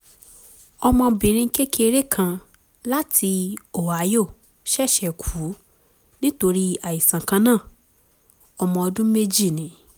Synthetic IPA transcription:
ɔ˧mɔ̃˧bĩ˨ɾ̃ĩ˧ŋ̩˦ke˦kʰe˦e˧ɾe˦kʰã˧ | la˦tʰi˧o˨wa˨˦jo˦˨ | ʃɛ˦˨ʃɛ˨kʰu˨˦ | nĩ˦to˧ɾi˦a˨ji˨sã˨kã˧nãː˦˨ | ɔ˧mɔ̃˧ɔ˧dũ˦me˦d͡ʒi˦˨nĩ˨˦

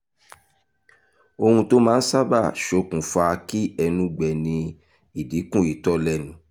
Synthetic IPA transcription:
o˧hũ˧to˦mãː˨˦n̩˦sa˦ba˦˨ʃo˧˦kũ˨fa˧ki˦ɛ˧nũ˨˦ɡ͡bɛ˨nĩ˧ | i˨di˨˦kũ˦˨i˨tɔ˦lɛ˧˨nũ˨˦

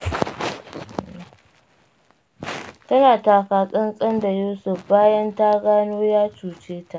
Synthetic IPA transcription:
tɐ˦naː˨taː˨kaː˨sʼɪ˦nsʼɐ˦nda˨juː˦sʊ˨ɸbaː˦jɐ˦nta˦ɡaː˦noː˦jaː˦t͡ʃuː˨t͡ʃeː˦ta˨ʔ

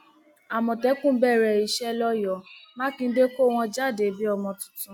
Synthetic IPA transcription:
a˨mɔ̃˨tɛ˨˦kũ˦bɛ˦˨ɾɛ˨i˧ʃɛ˦lɔ˦jɔ˨mã˦kĩ˧˦de˦ko˦˨w̃ɔ̃˧d͡ʒa˦˨de˨˦bi˦ɔ˧mɔ̃˧tũ̥˨˦tũ˨˦

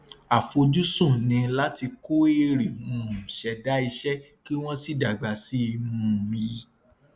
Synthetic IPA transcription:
a˨fo˧d͡ʒu˦sũ˦˨nĩ˧˦la˦ti˧ko˦e˦ɾi˨mũ˨ʃɛ˨˧da˦i˧ʃɛ˦ | ki˦w̃ɔ̃˦si˦˨da˨ɡ͡ba˨si˦˧m̃ũ˨˧ji˧

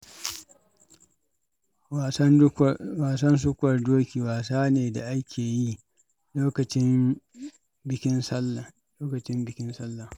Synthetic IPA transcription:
waː˨sɐ˦ns̬ʊ˦kʷɐ˨rdoː˦kʲiː˨waː˨saː˦neː˨da˨ʔa˦kʲʰeː˨ji˦ | loː˦kɐ˨t͡ʃɪ˦m | bɪ˨kʲɪ˦nsɐ˦l | loː˦kɐ˨t͡ʃɪ˦mbɪ˨kʲɪ˦nsɐ˦lːa˨

